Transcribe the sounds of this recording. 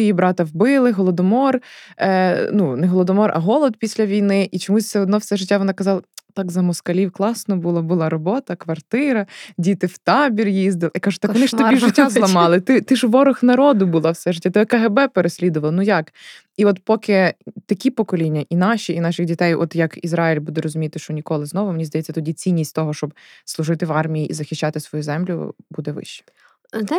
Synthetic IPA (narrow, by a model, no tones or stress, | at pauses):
jibɾɑt̪ɐwbɪlˠɪɦɔlˠɔd̪ɔmɔr | nunɛɦɔlˠɔd̪ɔmɔrɐ̰ɦɔlˠɔd̪̚pʲisʲlʲɐʋʲijnɪʔit͡ʃɔmusʲseɔd̪nɔwsɛʒɪtʲːaʋɔnɑkɐzɑlˠɐt̪ɑkzɐmɔskɐlʲiwklˠɑsnɔbulˠɔbʊlˠɑɾɔbɔt̪ɐkʋɐrt̪ɪɾɐdʲit̪ɪwt̪ɑbʲirjizd̪ɪlˠkɑʒʊ̥t̪kkʋɔnɪʃɔbʲiʒɪtʲːazlˠɐmɑlˠɪt̪ɪt̪ɪʒʋɔɾʊxnɐɾɔd̪ʊbʊlˠɑwsɛʒɪtʲːat̪ɛɔkɐɦebɛpeɾesʲlʲid̪ʊʋɐlˠɪnujɑk | iɔt̪pɔkɪt̪ɐkʲipɔkɔlʲinʲːɐʔinɑʃʲiinɑʃɪxdʲit̪ɛjʔɔ̰t̪jɐkizɾɑjilʲbud̪ɛɾɔzʊmʲijɐt̪ɪʃt͡ʃɔnʲikɔlˠɪznɔʋʊmenʲizd̪ɐjɛt͡sʲːɐt̪ɔdʲit͡sʲinʲːisʲtʲt̪ɔɦɔʃt͡ʃɔbslˠʊʒɪt̪ɪʋɑrmʲijiʔizɐxʲɪʃt͡ʃːɑt̪ɪsʋɔjuzɛmlʲʊ̰bud̪ɛʋɪ̰ʃt͡ʃːɛ̥ | n